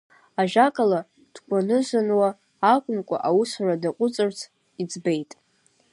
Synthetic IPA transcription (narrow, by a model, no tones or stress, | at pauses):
aʒᶣakʼala | d̥kʷʼanɨʒʷanwaː | kʷʼʊnkʷʼa̰ʔawʊsradaqʷʼʊt͡sʼɨrt͡sʰ | id͡zbe̞jtʼ